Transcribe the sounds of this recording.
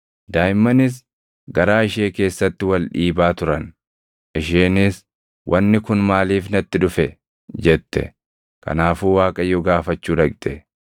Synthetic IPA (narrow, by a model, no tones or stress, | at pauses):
d̪aːjmːɐnɪs̬ | ɡɐɾaːɪʃe̞ːke̞ːsːɐt̪ːɪwɐlᶑiːbaːt̪ʊɾɐn | ʔɪʃeːnɪs | wʔɐnːɪkʊnmaːliːfnɐt̪ːɪᶑʊfɛ | d͡ʒɛt̪ːɛ̰ | kɐ̰naːfuːwaːkʼɐjːɔɡaːfɐt͡ʃːuːᶑɐkʼt̪ɛ